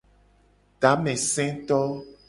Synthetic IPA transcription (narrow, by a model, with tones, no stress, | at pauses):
ɖa˨˦mɛ̃˨sɛ̃˦t̪ɔ˦